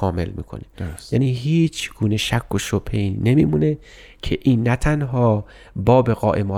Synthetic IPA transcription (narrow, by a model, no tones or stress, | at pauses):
ɒːme̞̰lmḭːkʰo̰nejæːniːɦiːt͡ʃʰɡ̥uːneʃækʰːoʃopʰejnnemiːmune | kʰeʔiːnːæt̪ʰænɦɒː | bɒːbeɣɒ̰ːʔemɒː